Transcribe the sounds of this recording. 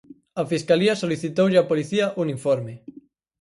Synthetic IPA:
ɐfiskaliɐsoliθit̪owʎapoliθiɐʔuniɱfɔɾme

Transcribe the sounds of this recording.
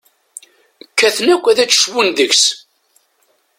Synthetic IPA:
kːæθnækʷːæðæt͡sːə̥ʃwunðəçs

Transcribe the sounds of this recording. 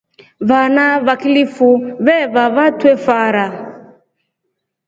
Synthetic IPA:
βanaβakilifuβɛβaβatwɛfaɾa

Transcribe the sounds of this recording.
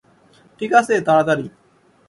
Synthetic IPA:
ʈʰiːkaːseːt̪aːɽt̪aɾiː

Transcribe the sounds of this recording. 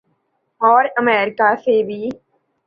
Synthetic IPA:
ɔːɾəmɛːɾɪkaːsebʱiː

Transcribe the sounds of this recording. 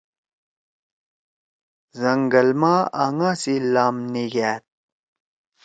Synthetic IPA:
zɐŋɡɐlmaːaŋasilaːmniɡæːt̪̚

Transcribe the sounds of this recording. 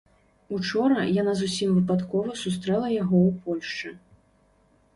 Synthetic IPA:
ut͡ʂɔɾɐjanazusʲimvɨpat̪kɔvɐsus̬t̪ɾɛlˠɐjaɣɔwpɔlʲʂt͡ʂɨ

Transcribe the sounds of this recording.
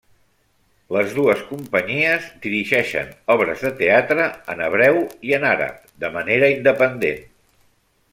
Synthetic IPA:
ləzðuəskumpəɲiəzd̪iɾiʒɛʃə̰nɔβɾə̰zðət̪eat̪ɾəənəβ̞ɾɛwiənaɾə̰p̚d̪əməneɾəind̪əpənd̪ḛn

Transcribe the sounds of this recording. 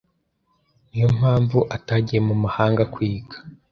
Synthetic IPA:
nijom̥haːɱvuʔataɟijemumahaːŋɡakwiːɡḁ

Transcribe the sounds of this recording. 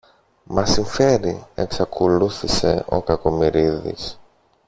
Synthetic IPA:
mɐsiɱfe̞ɾie̞ksɐkʰoluθise̞̰o̞̰kɐko̞miɾiðḭs

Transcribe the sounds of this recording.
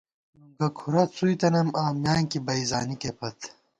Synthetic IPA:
nuŋɡɐkʰuɾɐt͡sʰuit̪ɐnɐmaːmjaːŋkibɐizaːnikepʰɐt̪

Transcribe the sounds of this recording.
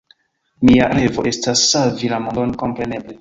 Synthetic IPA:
mia̰ɾe̞vo̞ʔe̞stasːavilamondo̞nko̞mpɾe̞ne̞ble̞

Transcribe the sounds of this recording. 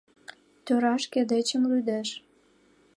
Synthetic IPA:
t̪øɾɑʃked̪et͡ɕəmlyd̪eʃ

